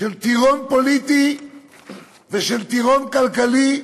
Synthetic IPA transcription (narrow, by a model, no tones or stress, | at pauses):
ent̪iɣompolit̪i | ðeʃelt̪iɣoŋkalkali